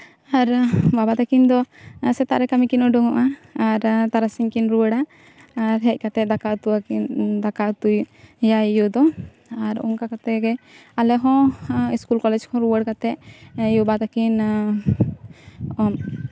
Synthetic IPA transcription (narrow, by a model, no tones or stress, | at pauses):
aɾbabat̪akind̪ɔsɛt̪aʔɾɛkamikinɔɖɔŋɔʔaaɾt̪aɾasiŋkinɾuwəɽaː | ɾɦɛc̚ˀkat̪ɛd̪akaʔt̪uwaid̪akaʔt̪ujjajud̪ɔ | aɾɔ̰ŋkakat̪ɛɡɛalɛɦɔ̃iskulkɔlɛd͡ʒkʰɔ̃ɾuwəɽkat̪ɛʔjubat̪akin